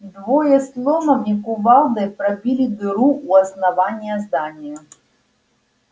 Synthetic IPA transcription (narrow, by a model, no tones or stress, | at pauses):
d̪vɔjɛslˠɔmɐvʲikuvɑlˠd̪ɨpɾɐbʲilʲid̪ɨɾuuɐsnavanʲijɐzd̪anʲijʊ